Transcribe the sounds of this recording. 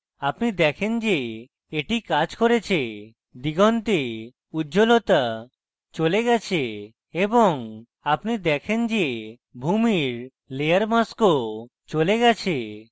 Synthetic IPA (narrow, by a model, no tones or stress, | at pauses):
apnid̪ɛkʰend͡ʒe | eʈikad͡ʑkoɾet͡ʃʰe | d̪iɡɔnt̪e | ud͡ʒolot̪a | t͡ʃoleɡɛt͡ɕʰe | ebɔŋ | apnid̪ɛkʰend͡ʒe | bʱumiɾ | leaɾmasko | t͡ʃoleɡɛt͡ɕʰe